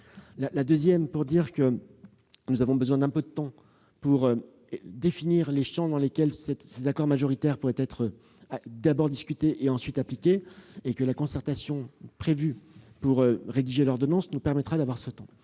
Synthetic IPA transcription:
lalad̪øzjɛmpuʁd̪iʁkə | nuzavɔ̃bəzwɛ̃d̪ɛ̃pød̪ət̪ɑ̃ | puʁø | d̪efiniʁleʃɑ̃d̪ɑ̃lekʲɛlsɛt̪sezakɔʁmaʒɔʁit̪ɛʁpuʁɛt̪ɛt̪χə | d̪abɔʁd̪iskʲyt̪eʔeɑ̃sɥit̪aplikʲeːkəlakɔ̃sɛʁt̪asjɔ̃pχevypuʁøʁed̪iʒelɔʁd̪ɔnɑ̃snupɛʁmɛt̪χad̪avwaʁsət̪ɑ̃

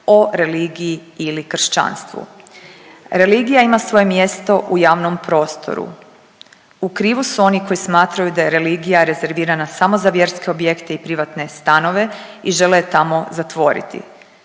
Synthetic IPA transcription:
o̞ɾe̞liːɡijiilikr̩ʃt͡ʃa̰ːnst̪ʋṵ | ɾe̞liːɡijaimasʋo̞je̞mje̞st̪o̞ʔujaːʋno̞mpɾo̞ːst̪ʰo̰ɾṵ | ukɾiːʋusuo̞niko̞jismaːt̪ɾajud̪aje̞ɾe̞liːɡijaɾe̞ze̞ɾʋiːɾanasamo̞zaʋje̞ɾske̞obje̞kt̪eipɾiʋat̪ne̞st̪ano̞ʋe̞iʒe̞let̪amo̞zat̪ʋo̞ɾḭt̪ḭ

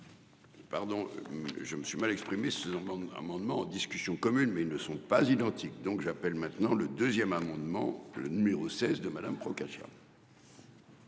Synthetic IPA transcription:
paʁd̪ɔ̃ʒəməsɥimalɛkspχimeseza̰mɑ̃d̪mɑ̃ːd̪iskʲysjɔ̃kɔmynmɛilnəsɔ̃pazid̪ɑ̃t̪ʰik̚d̪ɔ̃kʒapɛlmɛ̃t̪nɑ̃ləd̪øzjɛmamɑ̃d̪mɑ̰̃lə̰nymeʁosɛzd̪əmad̪ampχɔkaʃja̰

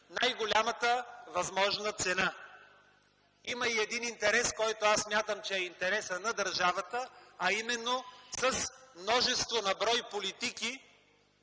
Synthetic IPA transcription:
najɡolʲamət̪əvɐzmɔʒnət̪sɛna | iməiɛd̪inint̪ɛɾɛskɔjt̪oasːmʲjat̪əmt͡ʃɛːint̪ɛɾɛsənɐd̪ɐɾʒavət̪əɐimɛnːosəsmnɔʒɛst̪vonɐbɾɔjpolit̪iki

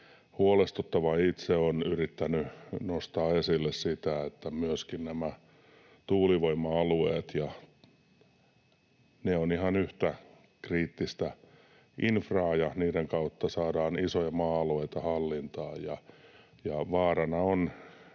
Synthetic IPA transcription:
huolest̪ut̪ːɑʋɑit̪seonyrit̪ːænynost̪ɑːesilːessit̪æet̪ːæmyøskinnæmæ | t̪uːliʋoimːɑɑlueːt̪jɑ | neonihɑnyht̪æ | kriːt̪ːist̪æ | ʔinfrɑːjɑniːɾeŋkɑut̪ːɑsɑːdɑːnisojɑmɑːɑlueit̪ɑhɑlːint̪ɑːjɑ | jɑʋɑːrɑnɑon

